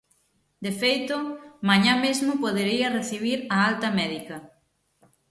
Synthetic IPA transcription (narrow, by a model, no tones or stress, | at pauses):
d̪efejt̪ʊmaɲãmezmʊpoðeɾiɐreθiβ̞iɾɐalt̪ɐmɛðikɐ